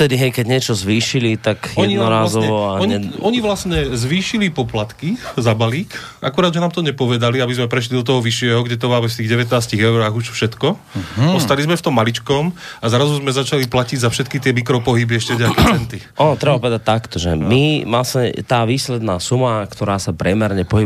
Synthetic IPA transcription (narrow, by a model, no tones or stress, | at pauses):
t̪ɛd̪iɦɛjkɛɟɲɪɛt͡ʃɔzʋiːʃilit̪akjɔɛɲiɔɾaːzɔɔaɔɲɛɔɲiʋlasɲɛzʋiːʃilipɔplat̪kizabaliːkakuɾaːd̪ʒɛnaːmt̪ɔɲɛpɔʋɛd̪aliabizmɛpɾɛʃ̬lid̪ɔt̪̬ɔɦɔʋiʃɪɛɦɔɡɟɛt̪ɔʋaːʋɛft̪iːɣɟɛʋɛt̪naːsciɣɛʊɾaːɣuʃfʃɛt̪kɔ | ɔst̪alizmɛft̪ɔmːalit͡ʃkɔmazɾazuzmɛzat͡ʃaliplaciɟzafʃɛt̪kit̪ɪɛmikɾɔpɔɦibiɛʃcɛvɟakɛɛnt̪iʔɔnɔt̪ɾɛbapɔʋɛd̪at̚t̪akt̪ɔʒɛ̰mimasmɛt̪aːʋiːslɛd̪naːsumakt̪ɔɾaːsapɾʲɛmɛɾɲɛpɔɦib